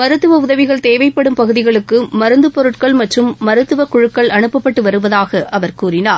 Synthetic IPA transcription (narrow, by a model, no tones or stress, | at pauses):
mɐɾɯt̪ːɯʋɐʊðɐʋɪɣɐɭt̪eːʋɐɪpːɐɽɯmpɐɣɯðɪɣɐɭɯkːɯmɐɾɯnd̪ɯpɔɾɯʈkɐɭmɐʈrɯmːɐɾɯt̪ːɯʋɐkʊɻɯkːɐɭɐɳɯpːɐpːɐʈːɯʋɐɾɯʋɐðaːɣɐʔɐʋɐɾkuːrɪnaːɾ